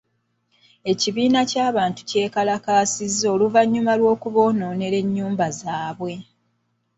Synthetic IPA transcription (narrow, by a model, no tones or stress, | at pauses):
e̞ciβiːnacaːβaːntu̥ce̞ːkalakaːsizːo̞luvaɲːumalwo̞ːkuβo̞ːno̞ːne̞ɾe̞ɲːuːmbazaːβwe̞